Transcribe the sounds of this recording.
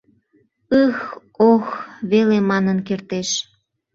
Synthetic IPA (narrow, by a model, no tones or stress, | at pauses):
əx | oxβelemɑnənkert̪eʃ